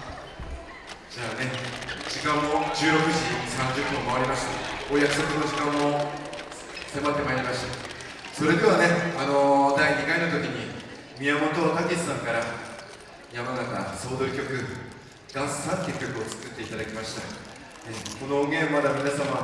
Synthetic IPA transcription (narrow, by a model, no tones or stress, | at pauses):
d͡ʑaːne̞d͡ʑikãmːo̞d͡ʑɨːɾo̞kɯ̟ʑisãɲd͡ʑɨpːomaβaɾʲimaɕi̥t̪aoːjakɯ̟̥so̞kɯno̞ʑikãmːo̞ | se̞mat̪ːe̞maiɾʲimaɕi̥t̪a | so̞ɾe̞d̪e̞βane̞ano̞d̪aiɲikainot̪o̞kʲiɲ̟i | mʲiamot̪ot̪akesɨ̥sãŋkaɾa | jamanaka̰so̞ːd̪o̞ɾɯ̟kʲo̞kɯ̟ | ɡ̪̥ãsɨ̥sãnt̪ekʲːo̞kɯ̟o̞t͡sɨ̥kɨt̪ːe̞it̪ad̪akʲimaɕi̥t̪a | neko̞nooɡẽ̞mmːad̪amʲinasama